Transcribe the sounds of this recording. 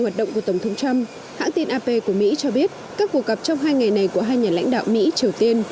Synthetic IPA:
waː˨˩t̚ɗə̰˧˨wŋ͡mku˧˩ət̪wŋ͡mt̪ʰə˨˦ŋ͡mt͡ɕa˧m | ha̰ː˧˥ŋt̪i˧nʔaː˧pe˧ku˧˩əmḭ˧˥t͡ɕɔ˧ɓi˦˥ət̚ | kaː˦˥kːu˨˩ək̚ɣə˨˩p̚t͡ɕɔ˧wŋ͡mɦaː˧jŋa˨˩jna˨˩jku˧˩əɦaː˧jɲaː˨˩la̰˧˥ŋ̟ɗa̰ː˧˨wmḭ˧˥t͡ɕi˨˩əwt̪i˧ən

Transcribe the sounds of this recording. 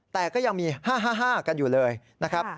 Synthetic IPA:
t̪ɛː˨˩kɔː˥˩ja˧ŋmiː˧haː˥˩ɦaː˥˩ɦaː˥˩ka˧njuː˨˩lɤː˧j | na˦˥kʰɾa˦˥p̚

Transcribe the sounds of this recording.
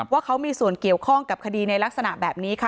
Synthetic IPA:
waː˥˩kʰa˦˥wmiː˧su˨˩ənki˨˩əwkʰɔ˥˩ŋka˨˩p̚kʰa˧diː˧na˧jla˦˥k̚sa˧na˨˩ʔbɛː˨˩p̚niː˦˥kʰa˦˥˩

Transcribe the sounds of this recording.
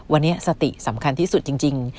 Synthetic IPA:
wa˧nːi˦˥ɐsa˧t̪ḭ˨˩sa˩˦mkʰa˧nt̪ʰiː˥˩su˨˩t̪̚t͡ɕi˧ŋt͡ɕi˧ŋ

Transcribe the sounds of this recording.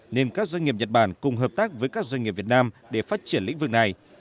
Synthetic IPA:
ne˧nkaː˦˥k̚zwa˧ŋi˨˩p̚ɲə˨˩t̚ɓaː˧˩nkʊ˨˩ŋ͡mɦəː˨˩p̚t̪aː˦˥k̚vəː˨˦jkaː˦˥k̚zwa˧ɲŋi˨˩p̚vi˨˩ət̚naː˧mɗe˧˩faː˦˥t̚t͡ɕi˧˩ənlḭ̈˧˥ŋ̟vɨ˨˩k̚na˨˩j

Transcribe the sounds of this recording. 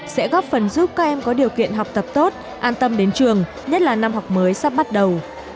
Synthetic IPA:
sɛ̰˧˥ɣɔ˦˥p̚fə˨˩nzu˦˥p̚kaː˦˥k̚ʔɛ˧mkɔ˨˦ɗi˨˩əwkḭ˧˨ənɦa˨˩wk͡p̚t̪ə˨˩p̚t̪o˦˥t̚ | ʔaː˧nt̪ə˧mɗe˨˦nt͡ɕɨ˨˩əŋ | ɲə˦˥t̚laː˨˩na˧mɦa˨˩wk͡p̚məː˨˦jsa˦˥p̚ɓa˦˥t̚ɗə˨˩w

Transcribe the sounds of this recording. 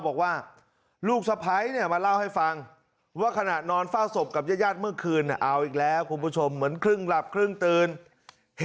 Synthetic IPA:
bɔː˨˩k̚waː˥˩ | luː˥˩k̚sa˧pʰa˦˥jni˥˩ɐmaː˧la˥˩wha˥˩jfa˧ŋ | waː˥˩kʰa˧na˨˩t̪̚nɔː˧nfaː˥˩wso˨˩p̚ka˨˩p̚jaː˥˩jaː˥˩t̪̚mɯ˥˩əkʰɯː˧nːi˧˩ʔa˧wʔiː˨˩k̚lɛː˦˥wkʰu˧npʰuː˦˥˩t͡ɕʰo˧mːɯ˩˦ənkʰɾɯ˥˩ŋla˨˩p̚kʰɾɯ˥˩ŋt̪ɯː˧n | h

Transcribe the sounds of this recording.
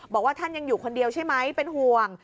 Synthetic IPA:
bɔː˨˩k̚waː˥˩t̪ʰa˥˩nja˧ŋjuː˨˩kʰo˧ndi˧əwt͡ɕʰa˥˩jma˦˥jpe˧nɦu˨˩əŋ

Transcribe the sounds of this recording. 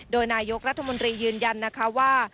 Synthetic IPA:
doː˧jnaː˧jo˦˥k̚ɾa˦˥t̪ʰːa˧mo˧nt̪ɾiː˧jɯː˧nja˧nːa˦˥kʰa˦˥waː˥˩

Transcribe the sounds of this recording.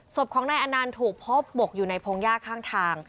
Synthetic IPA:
so˨˩p̚kʰɔː˩˦ŋnaː˧jʔa˧naː˧nt̪ʰuː˨˩k̚pʰo˦˥p̚bo˨˩k̚juː˨˩na˧jpʰoː˧ŋjaː˥˩kʰːaː˥˩ŋt̪ʰaː˧ŋ

